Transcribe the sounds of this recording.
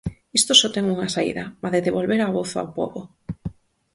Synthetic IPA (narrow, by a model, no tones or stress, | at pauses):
ist̪osot̪ɛŋuŋasaḭðamaðeðeβolβeɾaβoθa̰wpo̰βo